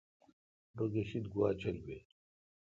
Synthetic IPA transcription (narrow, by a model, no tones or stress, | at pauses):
boɡeɕid̪ɡuwaːt͡ɕʰɐlbe